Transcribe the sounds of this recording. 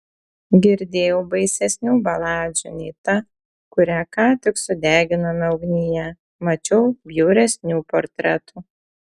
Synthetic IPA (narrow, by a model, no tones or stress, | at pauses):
ɡʲɪɾʲd̪ʲeːjɛʊbɐɪsʲɛsʲnʲuːbɐlˠɑːd͡ʒʲunʲɛɪt̪ɐ | kʊɾʲæːkɑːt̪ʲɪksʊd̪ʲæːɡʲɪnɐmʲɪɐʊɡnʲɪjɛ | mɐt͡ʃʲɛʊbʲjuːɾʲɛsʲnʲuːpɔɾʲt̪ʲɾʲɛt̪uː